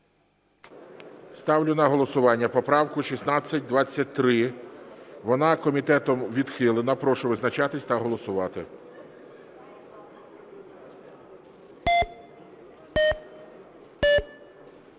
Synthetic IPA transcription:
st̪ɑwlʲʊnɐɦɔlˠɔsʊʋɑnʲːɐpɔpɾɑwkʊʃʲisnɑt͡sʲːɐt̚ʲd̪ʋɑt͡sʲːɐt̚ʲt̪ɾɪ | ʋɔnɑkɔmʲit̪ɛt̪ɔmʋʲid̪xɪlˠɪnɐpɾɔʃʊʋɪznɐt͡ʃɑt̪ɪsʲt̪ɐɦɔlˠɔsʊʋɑt̪ɪ

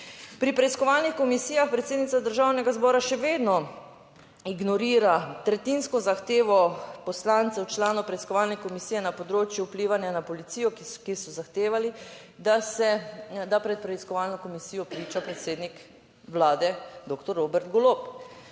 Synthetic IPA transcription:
pɾipɾɛiskɔʋaːlnixkɔmisijaxpɾɛt̪seːd̪nit̪sad̪əɾʒawnɛɡazbɔːɾaʃɛʋeːd̪nɔ | iɡnɔɾiːɾat̪ɾɛt̪inskɔzaxt̪eːʋɔpɔslant̪sɛwt͡ʃlaːnɔpɾɛiskɔʋaːlnɛkɔmisiːjɛnapɔd̪ɾoːt͡ʃjuwpliːʋanjanapɔlit̪siːjɔkisɔzaxt̪eːʋali | d̪asɛd̪apɾɛt̪̚pɾɛiskɔʋaːlnɔkɔmisijɔpɾiːt͡ʃapɾɛt̪seːd̪nik | ʋlaːd̪ɛd̪okt̪ɔɾːoːbɛɾt̪ɡɔloːp

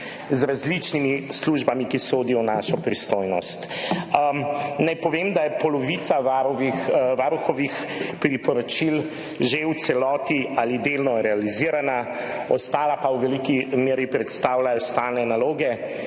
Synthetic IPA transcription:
zɾazlit͡ʃnimisluʒbamikisoːd̪ijɔnaʃɔpɾist̪ojnɔ̰st̪ | najpɔʋemd̪ajɛpɔlɔʋit̪saʋaʋixʋaɾuxɔʋix | pɾipɔɾɔt͡ʃil | ʒewt̪sɛlɔːt̪ialid̪elnɔɾɛaliziːɾana | ɔ̰st̪aːlapawʋɛlikimeːɾjipɾɛt̪st̪aːwlajɔst̪aːlnɛnaloːɡɛ

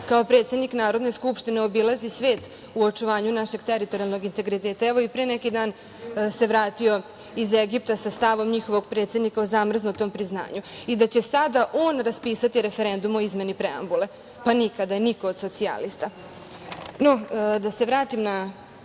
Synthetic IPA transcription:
kaopɾe̞t̪se̞d̪niknaːɾo̞d̪ne̞skupʃt̪ineo̞bilˠazisʋe̞ːt̪ | uot͡ʂuʋaːɲunaʃe̞ɡt̪eɾit̪o̞ɾialno̞ɡint̪e̞ɡɾit̪eːt̪aɛʋoipɾeːnɛkid̪aːn | se̞ʋɾaːt̪io̞ | izeɡip̚t̪asast̪aʋo̞mɲixo̞ʋo̞ɡpɾe̞t̪se̞d̪nikaozamr̩znot̪o̞ːmpɾizna̰ːɲuid̪at͡ɕe̞sad̪aʔoːnɾaspiːsat̪iɾe̞feɾend̪umo̞izme̞nipɾea̰mbule̞ | panikad̪aeniko̞ːd̪so̞t̪sia̰list̪a | no̞d̪ase̞ʋɾaːt̪imna

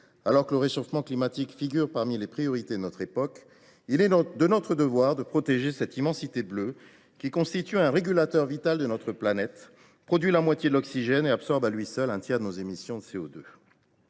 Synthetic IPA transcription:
alɔʁkələʁeʃofmɑ̃klimat̪ikfiɡʲyʁpaʁmilepχijɔʁit̪ed̪ənɔt̪χepɔk | ilɛd̪ənɔt̪χəd̪əvwaʁd̪əpχɔt̪eʒesɛt̪imɑ̃sit̪eblø | kʲikɔ̃st̪it̪yɛ̃ʁeɡʲylat̪œʁvit̪ald̪ənɔt̪χəplanɛt̪ | pχɔd̪ɥilamwat̪jed̪əlɔksiʒɛneabsɔʁbalɥisœlɛ̃t̪jɛʁd̪ənozemisjɔ̃d̪əseod̪ø

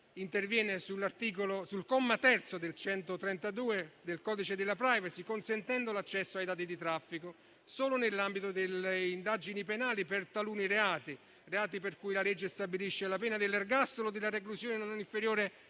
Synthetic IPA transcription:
int̪ervjɛːnɪsulːart̪iːk̬olosulkɔmːat̪ɛrt̪sod̪elt͡ʃɛnt̪ot̪ɾɛnt̪ad̪uːed̪elkɔːd̪it͡ʃed̪elːapɾajvasikonsent̪ɛnd̪olat͡ʃːɛsːoajd̪aːt̪̬id̪it̪ɾafːiko | soːlʊnelːambit̪od̪eleind̪ad͡ʒinipenaːlipert̪aluːnireaːt̪i | reaːt̪iperkuːjlalɛd͡ʒːest̪abiliʃːelapɛːnad̪elːarɡast̪olod̪elːareklusjoːnenonniɱfeɾjoːɾe

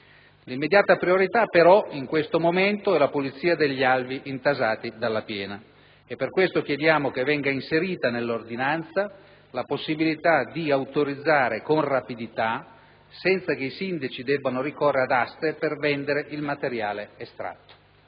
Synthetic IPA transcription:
limːed̪jaːt̪apɾioɾit̪apeɾɔiŋkwest̪omoment̪oɛlapolit̪sːiːad̪eʎːialviʔint̪azaːt̪id̪alːapjɛːna | epːerkwest̪okjed̪jaːmok̟evːɛŋɡainseɾiːt̪anelːord̪inant̪sa | laposːibilit̪ad̪iawt̪oɾid̪zːaːɾekonrapid̪it̪a | sɛnt̪sakeisind̪at͡ʃid̪ɛbːanoɾikorːead̪ast̪epervɛnd̪eɾeʔilmat̪eɾjaːleːst̪ɾa̰t̪ːo̥

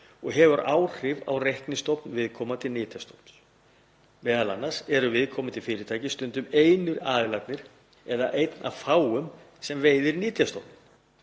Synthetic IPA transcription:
ɔɣɦɛvʏɾaːwr̥ɪva̰wrejhknɪst̪ɔwpnvɪðkʰɔːmat̪ʰɪlnɪːt̪ʰjast̪owpns | vɛːðala̰nːḁsɛɾʏvɪðkʰɔːmɪt̪ʰɪlfɪːɾɪt̪ʰaːjcɪst̪ʏnt̪ʏmeːjnʏɾaːðɪlat̪nɪɾ̥ | ɛða̰ʔejt̪na̰ðfaːwʏm | sɛmveːjðɪɾnɪːt̪jast̪ɔwpn

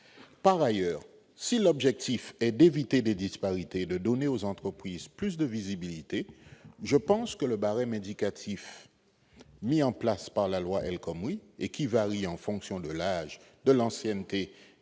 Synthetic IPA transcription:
paʁajœːʁ | silɔbʒɛk̚t̪ifɛd̪evit̪ed̪ed̪ispaʁit̪ed̪əd̪ɔneozɑ̃t̪χəpχizplys̬d̪əvizibilit̪eʒəpɑ̃skələbaʁɛ̃med̪ikat̪ʰif | miɑ̃plaspaʁlalwaʔɛlkɔmiekʲivaʁiɑ̃fɔ̃ksjɔ̃d̪əlaʒd̪əlɑ̃sjɛnt̪e

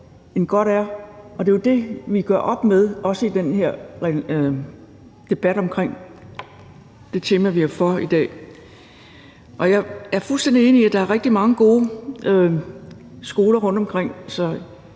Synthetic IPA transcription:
e̝nɡ̥ɒɾ̥æɐɒ̽d̥e̝jod̥e̝ʋiɡ̥ɶɐʔɒ̽b̥með̞ˠʔɒ̽səid̥enheɐ̰ʁ | d̥e̝b̥æɾ̥ɒ̽mkʰʁeŋ̰ | d̥e̝t͡sʰe̝ːmæʋiæfɒid̥ɛ̰ː | ʔɒ̽jɑ̈ɪæɐfulsd̥en̰d̥ie̝ːniiæd̥ɑ̈æɐʁɛɡ̥̚d̥imɑ̈ŋəɡ̥o̝ː | sɡ̥o̝ːlɐʁɔ̽n̰d̥ɒ̽mkʰʁeŋ̰sɒ̽

